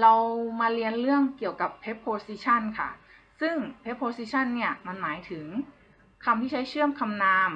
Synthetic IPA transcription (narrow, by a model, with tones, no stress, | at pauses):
la˧wmaː˧li˧ənlɯ˥˩əŋki˨˩əwka˧˩pʰːe˦˥pʰːoː˧˥si˧˥t͡ɕʰa˥˨nkʰa̰˥˩ | sɯ˥˩ŋpʰe˦˥pʰːoː˧˥siː˧t͡ɕʰa˥˨nːi˧˥˩ɐma˧˥˨nmaː˩˦jt̪ʰɯ˩˦ŋ | kʰa˧mt̪ʰiː˧˩t͡ɕʰa˦˥jt͡ɕʰɯ˥˩əmkʰa˧mnaː˧˥m